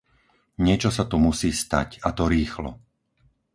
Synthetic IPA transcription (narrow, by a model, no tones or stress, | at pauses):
ɲɪɛt͡ʃɔsat̪umusiːst̪a̰cat̪ɔɾiːxlɔ̰